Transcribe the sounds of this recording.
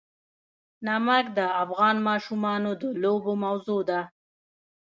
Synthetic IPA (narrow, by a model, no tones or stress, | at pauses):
namakd̪əafɣɑnmɑʃumɑnod̪əlobomawzod̪a